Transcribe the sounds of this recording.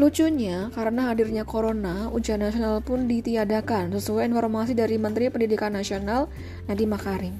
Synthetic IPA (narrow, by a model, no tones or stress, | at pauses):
lut͡ʃuɲakaɾənaɦadirɲakoɾonaud͡ʒaanasionalpʊndit̪iadakansəsuajinfɔrmasidaɾimənt̪ɾipəndidikanːasional | nadimakaɾɪm